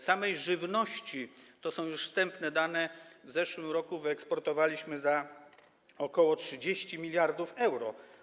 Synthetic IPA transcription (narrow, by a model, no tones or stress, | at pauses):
samɛjʐɘvnɔɕt͡ɕit̪ɔsɔ̃w̃juʂfst̪ɛmpnɛd̪anɛvzɛʂwɘmɾɔkuvɘɛkspɔɾt̪ɔvalʲiɕmɘza | ɔkɔwɔtʂɘd͡ʑeɕt͡ɕimʲilʲjaɾd̪ufɛwɾɔ